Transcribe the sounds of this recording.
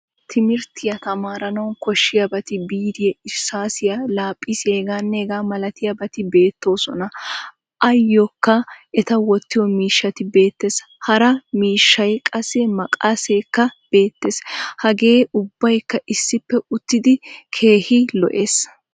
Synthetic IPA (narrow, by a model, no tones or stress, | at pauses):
t̪ʰɪmɪɾt̪ɪjɐt̪ɐmaːɾɐnɐwnkɔʃːɪjɐbɐt̪ɪbiːd̪ɪjɛɪsːaːsɪjɐlaːpʼːɪseːɡaːnːeɡaːmɐlɐt̪ɪjɐbɐt̪ɪbe̞ːt̪ːo̞ːsɔnɐ | ʔɐjːɔkːɐɛt̪ɐwɔt̪ːɪjɔmiːʃːɐt̪ɪbe̞ːt̪ːe̞ːs | hɐɾɐmiːʃːɐjkʼɐsːɛmɐkʼaseːkːɐb̥e̞ːt̪ːe̞ːshɐɡe̞ːʊbːɐjkːɐʔɪsːɪpːɛʊt̪ːɪd̪ɪkʰe̞ːhɪlɔ̰ʔe̞ːs